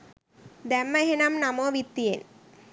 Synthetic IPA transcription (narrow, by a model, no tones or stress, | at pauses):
d̪ɛmːɐɦenamnamoʋit̪ːijen